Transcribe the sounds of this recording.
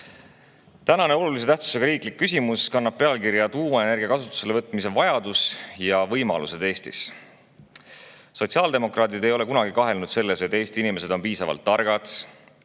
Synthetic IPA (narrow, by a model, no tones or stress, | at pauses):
t̪ænɑne̞o̞lulise̞t̪æht̪su̥se̞ɡ̥ɑɾiːklikːys̬ʲimuskɑnːɑb̥̚pe̞ɑlkiɾjɑt̪uːweene̞rɡijɑkɑsut̪ːˑu̥se̞le̞vɤt̪ːˑmise̞vɑjɑd̪̥usjɑvɤjmɑ̰lṵse̞d̪̥e̞ːst̪ḭs | so̞t̪siɑːld̪e̞mo̞krɑːt̪id̪e̞jo̞le̞kunɑɡikɑɦe̞lnud̪̥se̞lːe̞se̞t̪ːˑe̞ːst̪inime̞se̞d̪o̞npiːsɑvɑ̰lt̪ːɑrɡ̥ɑd̪̥